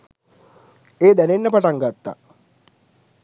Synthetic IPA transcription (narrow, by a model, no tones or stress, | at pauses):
eːd̪ænenːəpaʈaŋɡat̪ːa̰